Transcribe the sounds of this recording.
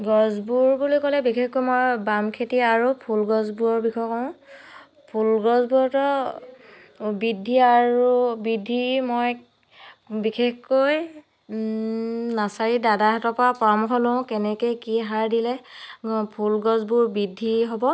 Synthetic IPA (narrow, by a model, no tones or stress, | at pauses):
ɡɔzbuɹbulokɔlɛbikʰexkojmojbamkʰetiaɹupʰulɡɔzbuɔɹbixʰɔjkɔʊ̃ | pʰulɡɔzbuɔɹtɔ | bidʱːiaɹubidʱːimoj | bikʰexkoj | nasaɹidadaɦatɔpapɔɹɔmuxʰɔlõʊ̃kɛnɛkejkiɦaɹdilɛ | pʰulɡɔzbuɹbidʱːiɦobɔ